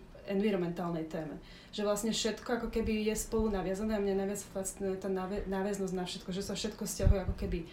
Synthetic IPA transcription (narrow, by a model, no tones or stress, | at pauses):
ɛnʋiɾɔmɛnt̪aːlnɛjt̪ɛːmɛ | ʒ̥ɛʋlasɲɛfʃɛt̪kɔakɔkɛbijɛspɔlunaʋɪad͡zanɛamɲɛnaʋɪat͡sfat͡sit̪nɛɛt̪aːnaʋɛnaːʋɛznɔzɟnafʃɛt̪kɔʒɛsafʃɛt̪kɔfscaɦujɛakɔkɛbi